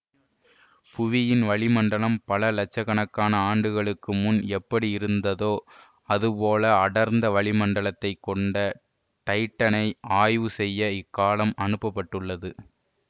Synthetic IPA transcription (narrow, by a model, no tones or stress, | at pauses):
pʊʋɪjɪnʋɐɭɪmɐɳɖɐɭɐmpɐlɐlɐt͡ʃːɐɣɐnɐkːaːnɐaːɳɖɯɣɐɭɯkːɯmʊnɛpːɐɽiɪɾɯnd̪ɐðoː | ɐðɯpoːlɐɐɽɐɾnd̪ɐʋɐɭɪmɐɳɖɐɭɐt̪ːɐɪkːɔɳɖɐ | ʈɐɪʈːɐnɐɪʔaːjʋɯsɛjːɐɪkːaːlɐmɐnɯpːɐpːɐʈːɯɭːɐðɯ